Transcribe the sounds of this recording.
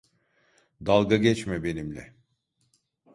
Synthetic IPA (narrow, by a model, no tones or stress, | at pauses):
d̪alˠɡaɟɛt͡ʃmɛbe̞nimlʲɛ̰